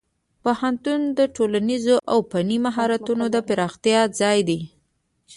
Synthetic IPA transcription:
pohant̪und̪əʈolanizoʔawpanimaɦɑɾat̪unod̪əpɪɾɑxt̪jɑd͡zɑjd̪e

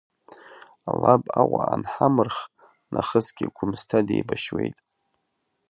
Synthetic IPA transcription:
alabawʷaanħamɨrχ | nʔaχəzɡʲɪɡʷʊmstʰadejbaʃwejtʼ

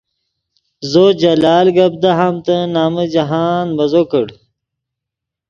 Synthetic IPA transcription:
zod͡ʑɐlaːlɡɐb̚d̪aɦamt̪ənaːməd͡ʑɐɦaːnbɐzokəɽ

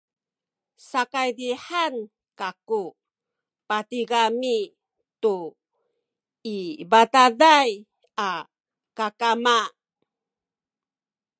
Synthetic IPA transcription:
sakajdiħan | kaku | patiɡami | tu | ibatadaj | a | kakama

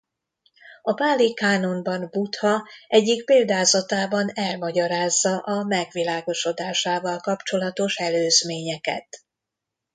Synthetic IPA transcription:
ɒpaːlːikaːno̞nbɒnbut̪hɒʔɛɟːikpeːld̪aːzɒt̪aːbɒnɛlmɒɟɒɾaːzːɒʔɒmɛɡʋilaːɡo̞ʃo̞d̪aːʃaːvɒlkɒpt͡ʃo̞lɒt̪o̞ʃɛløːzmeːɲɛkɛ̰t̪

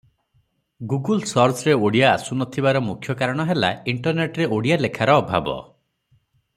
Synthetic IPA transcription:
ɡuɡulsɔɾsɾeoɽija̰ːsunɔt̪ʰibaɾɔmukʰjɔkaɾɔɽ̃ɔɦelaiɳʈɔɾneʈɾeʔoɽijalekʰaɾɔːbʱa̰bɔ̰

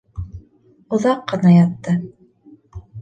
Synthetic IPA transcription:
ŏðɑqːɤ̆nɑjɑt̪ːɤ

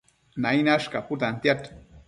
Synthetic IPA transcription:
nainaʃkaput̪ant̪jat̪

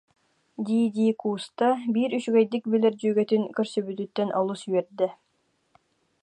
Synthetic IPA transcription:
d̪iːd̪iːkuːst̪abiɾyʃɡɛjd̪ik̚bilɛɾd͡ʑyjɡɛt̪ynkœɾsybyt̪yt̪ːɛnʔɔlˠusyjɛɾd̪ɛ

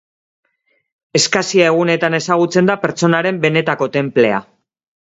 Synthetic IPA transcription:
e̞skasiae̞ɣ̞une̞t̪ane̞saɣ̞ut͡se̞nd̪ape̞ɾt͡so̞naɾe̞mbe̞ne̞t̪ako̞t̪e̞mple̞a̰

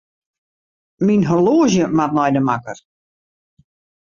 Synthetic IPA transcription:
minɦoloːʒjəmat̚nɔjdəmakər

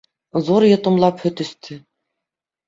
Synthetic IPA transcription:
zoɾjɤ̆t̪ɤ̆mlˠɑphɵt̪ɵ̆st̪ʰɘ

